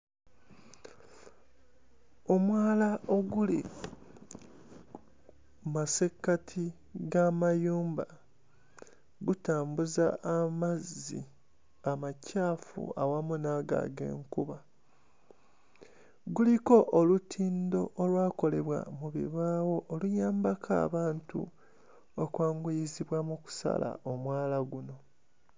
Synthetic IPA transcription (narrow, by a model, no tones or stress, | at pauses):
o̞mwaːlaʔoɡulḭ | masekːatʰi | ɡamajuːmba | ɡutaːmbuzaːmazːḭ | amacaːfṵawamunaɡa̰ɡḛːŋkuβa | ɡuliko̞ʔːlutʰiːndo̞ʔːlwaːko̞le̞βwa̰muβḭβaːwo̞ʔːlujaːmbakʰa̰ːβaːntṵ | okwaːŋɡujiziβwamuku̥sa̰la̰omwaːlaɡuno̞